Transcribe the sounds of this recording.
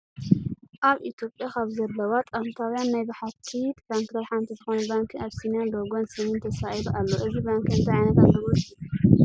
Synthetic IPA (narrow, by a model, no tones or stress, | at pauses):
ʔaβit̪ʰjo̞pʼjakʰaβzɐlːɐwat̪ʼant̪ʰawjanːajbaħat̪ʰit̪bankt̪ʰɐβħant̪ʰizɨxo̞nɐbaŋkʰiaβsinijanloɡonsɨnint̪ʰɐsaʔjduʔalːoʔɨzibaŋkɨnt̪ʰajʕajnɐt̪amd̪ɨɾoju